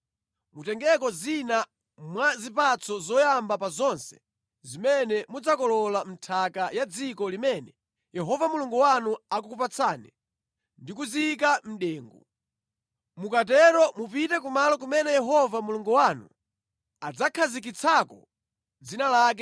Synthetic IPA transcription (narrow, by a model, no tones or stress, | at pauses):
mutɛŋɡɛkɔzina | mwazipat͡sʰɔzɔjambapazɔnsɛ̥̰ | zimɛnɛmud͡zakɔlɔlam̩tʰakajad͡zikɔlimɛnɛ | jɛɦɔvamuluŋɡuwanuakukupat͡sʰaːnɛ | ndikuzik̬am̩ɗɛːŋɡu | mukatɛɾɔmupitɛk̬umalɔk̬umɛnɛjɛɦɔvamuluŋɡuwanu | ad͡zakʰazik̬it͡sʰakɔ̰ | d͡zinalaːk̬ɛ